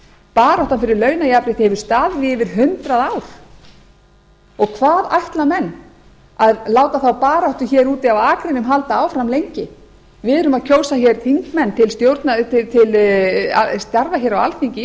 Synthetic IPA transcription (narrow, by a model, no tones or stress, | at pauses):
paːɾawht̪anfɪɾɪɾlœːɥnajapɾɪht̪hɛvʏɾ̥st̪aːðvɪvɪɾ̥ɦʏnt̪ɾaðaːwɾ̥ | ɔɣkʰvaːðajht̪lamɛnː | aðlaːwt̪aθawpaːɾawht̪ʏçɛːɾuːt̪ɪawaːkɾɪnːʏmɦalt̪aaːwfɾamlejɲcɪ | vɪðʏɾʏmaðcʰoːwsaçɛɾ̥θʰiŋkmɛnːt̪ʰɪlst̪jowɾt̪nat̪ɪt̪ʰɪla̰st̪jaɾvaçɛːɾawa̰lfiɲcɪ